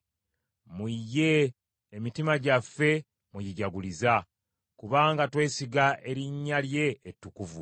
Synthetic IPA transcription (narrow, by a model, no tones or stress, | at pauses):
mujːe̞ː | mitimaɟafːe̞ | mujiɟaɡuliza | kuβaːŋɡatwe̞ːsiɡaʔe̞ɾiɲːalje̞ːtːukuvu